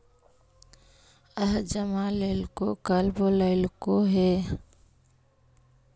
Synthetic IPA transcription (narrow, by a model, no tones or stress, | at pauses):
əɦd͡ʒəmaleːlkokəlboləɪlkoɦɛ